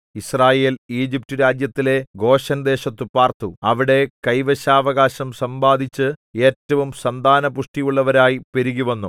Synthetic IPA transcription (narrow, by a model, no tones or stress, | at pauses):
israːje̞ːliːd͡ʑip̚tuɾaːd͡ʑjɐt̪ːile̞ɡo̞ːɕɐnd̪e̞ːɕɐt̪ːupaːrt̪uɐʋiɽe̞kɐjʋɐɕaːʋɐɣaːɕɐmsɐmbaːd̪ʱit͡ɕːɨe̞ːtːɐʋumsɐnd̪ʱaːnɐpuʂʈijuɭːɐʋɐɾaːjipeɾiɣuʋɐnːu